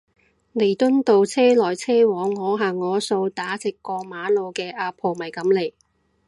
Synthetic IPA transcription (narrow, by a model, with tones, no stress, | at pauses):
ne˨˩jt̪ɵ˥nt̪o˨˧wt͡sʰɛː˥lɔː˨˩jt͡sʰɛː˥wɔː˨˥ŋːɔː˨˧ɦaː˨ŋŋɔː˨˧so˧wt̪aː˨˥t͡sɪ˨˩kːɔː˧maː˨˧lo˨˧wkɛː˧ʔaː˧pʰoː˨˩mɐ˨jkɐ˨˥mle˨˩j